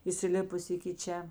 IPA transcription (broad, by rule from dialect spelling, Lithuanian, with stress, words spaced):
iːsʲɪˈlʲɪpʊs ɪkʲɪ ˈt͡ʃʲɛ